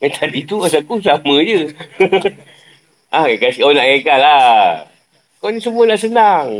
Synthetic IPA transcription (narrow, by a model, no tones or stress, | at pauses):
ɛt̪ʰadit̪uas̬akusamə̃d͡ʒə | ʔaakasionaʔkakalla | konisəmuanaʔsənaŋ